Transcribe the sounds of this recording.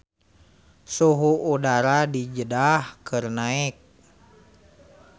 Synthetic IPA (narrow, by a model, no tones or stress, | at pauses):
suɦuʔudaɾadid͡ʒədahkɨrnaɛk̚